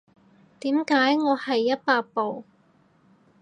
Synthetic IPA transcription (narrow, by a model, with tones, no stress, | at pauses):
t̪iː˨˥mkaː˨˥jŋɔː˨˧hɐ˨jːɐ˥t̚paː˧k̚po˨w